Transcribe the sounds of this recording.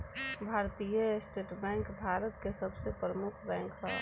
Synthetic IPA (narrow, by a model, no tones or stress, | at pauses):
bʱaːɾt̪ijəsʈeːʈbɛ̃ːŋkbʱaːɾət̪kesəbsepɾəmʊkʰbɛ̃ːŋkʰɦa